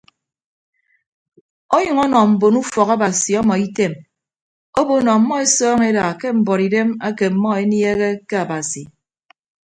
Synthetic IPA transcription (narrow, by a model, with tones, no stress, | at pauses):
ɔ˦jʌ˨ŋɔ˦nɔ˨m̩˨bo˨nu˦fɔ˨ka˦ba˨si˨ɔ˦mɔ˨i˦te˦˨m | o˦bo˨nɔ˨mːɔ˦e˦sɔː˦ŋe˦da˨ke˦m̩˨bɔ˨ɾi˨de˦ma˦ke˨m̩˨mɔ˦e˦nje˦ɣe˦ke˦a˨ba˨si˨